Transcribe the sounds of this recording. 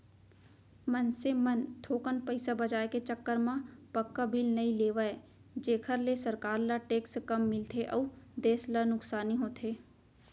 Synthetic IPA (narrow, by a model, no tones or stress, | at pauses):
mənsemənt̪ʰoːkənpəɪsabɐd͡ʒaːeket͡ʃəkːəɾmãpəkːabɪlnɐileːʋae | d͡ʒeːkʰəɾlesɐɾkaːɾlaʈeːkskɐmːɪlt̪ʰeʔɔːd̪eːslanʊksaːniɦoːt̪ʰeː